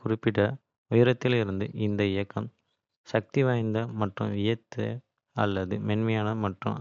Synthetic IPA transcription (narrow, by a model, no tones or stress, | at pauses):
kʊɾɪpːɪʈːɐ | ʊjɪɾɐt̪ːɪlɪɾɯnd̪ɯʔɪnd̪ɐɪjɐkːɐm | sɐk̚t̪iʋaːjnd̪ɐmɐʈːrɯ̰̃mʋɪjɐt̪ːɯ | ɐlːɐðɯmɛnmɐjaːnɐmɐʈrɯ̰̃m